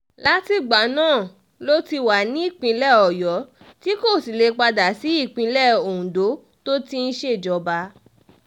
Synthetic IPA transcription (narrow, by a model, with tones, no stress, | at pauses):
la˦ti˧ɡ͡ba˨˦nãː˦˨ | lo˦ti˧wa˨nĩ˦i˦˨k͡pĩ˧lɛ˦ɔ˨jɔ˨˦ | ti˦ko˦˨si˨le˨˧k͡pa˧da˨si˨˦i˦˨k͡pĩ˧lɛ˦˨o˨ũ˨do˨˦ | to˦ti˦n̩˦ʃe˦˨d͡ʒɔ˨˦ba˧˦